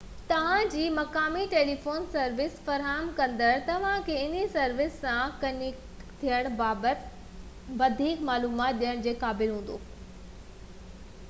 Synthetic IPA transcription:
t̪ɐʋ̤ãd͡ʑiːmɐkaːmiʈeːlifoːnsɐɾʋɪsfɐɾɦaːɦəmkɐ̃nd̪əɾt̪ɐʋ̤ãkʰeɪnisɐɾʋɪsːãkɐnik | t̪ʰijəɽ̃baːbət̪ | ʋɐd̪ʱiːkmaːluːmaːt̪̚ɗijəɽ̃d͡ʑeːkaːbɪlɦũːnd̪o̰ː

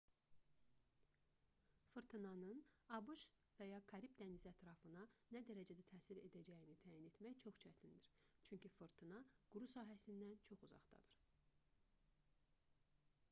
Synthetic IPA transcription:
fɯɾt̪ʰɯnɑnɯnɑbuʃ | væjɑkʰɑɾibd̪ænizæt̪ʰɾɑfɯnɑnæd̪æɾæd͡ʒæd̪æt̪ʰæːsiɾe̞d̪æd͡ʒæjinit̪ʰæːjine̞t̪mæjt͡ʃʰo̞χt͡ʃʰæt̪ʰind̪iɾt͡ʃʰyɲcifɯɾt̪ʰɯnɑɡ̥uɾusɑːɦæsind̪ænt͡ʃʰo̞χuzɑ̰χd̪ɑ̰d̪ɯɾ̥

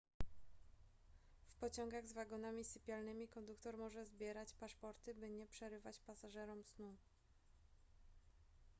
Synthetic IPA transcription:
fpɔt͡ɕɔŋɡaɣzvaɡɔnamʲisɘpʲjalnɘmʲikɔnd̪ukt̪ɔɾmɔʐɛzbʲjɛɾat͡ɕpaʂpɔɾt̪ɘbɘɲɛpʂɛɾɘvat͡ɕpasaʐɛɾɔmsnu

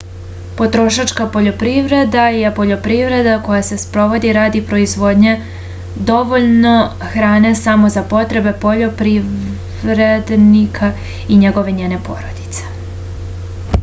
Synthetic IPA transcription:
po̞t̪ɾo̞ʃat͡ʃkapo̞ʎo̞pɾiʋɾe̞d̪ajepo̞ʎo̞pɾiʋɾe̞d̪ako̞jase̞spɾo̞ʋo̞d̪iɾaːd̪ipɾo̞izʋo̞ːd̪ɲe | d̪o̞ʋoʎno̞ | xɾaːne̞samo̞zapo̞t̪ɾe̞be̞po̞ʎo̞pɾi | ɾed̪nikʰa | iɲe̞ɡo̞ʋe̞ɲeːne̞po̞̰ɾo̞d̪it̪se̥

